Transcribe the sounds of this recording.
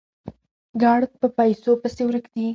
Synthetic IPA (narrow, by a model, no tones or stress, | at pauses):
ɡɑɽ̚pəpajsopəsewɾəkd̪i